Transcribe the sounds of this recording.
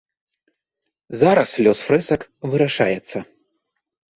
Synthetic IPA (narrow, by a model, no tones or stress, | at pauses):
zaɾɐslʲɔsfɾɛsɐkvɨɾaʂa̰jɛt̪sːɐ